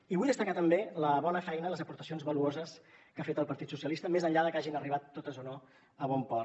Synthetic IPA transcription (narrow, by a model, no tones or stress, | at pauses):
iβujðəst̪əkat̪əmbeləβɔnəfɛjnələzəpuɾt̪əsionzβəluozəskafet̪əlˠpəɾt̪it̪susiəlist̪əmezənʎaðəkaʒinəriβat̪ːot̪əzono | əβɔmpɔr